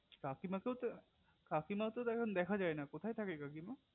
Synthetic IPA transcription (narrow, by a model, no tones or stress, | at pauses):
kakimakewt̪o | kakimat̪ot̪ɛkʰond̪ɛkʰad͡ʑaenakot̪ʰajt̪ʰakekakima